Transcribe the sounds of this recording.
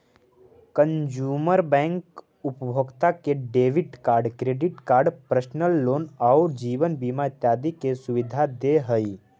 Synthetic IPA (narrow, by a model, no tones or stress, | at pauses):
kə̃nd͡ʒuːməɾbɛ̃ːŋk | ʊpəbʱoːɡt̪akeɖeːʋɪʈkaːɾɖkɾeːɖɪʈkaːɾɖpɾəʃnəlːoːnaɾd͡ʒiːʋənbimat̪jaːd̪ikesʊʋɪd̪ʱad̪eɦəi